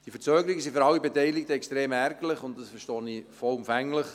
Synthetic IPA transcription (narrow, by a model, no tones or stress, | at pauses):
d̥iəfəɾt͡søːɡəɾiɡəsiføɾɑlːibetɛɪlɪk̚təɛkstɾeːmærɡələχʊntdɑsfəɾʃtɔːnifɔlʊmfæŋləχ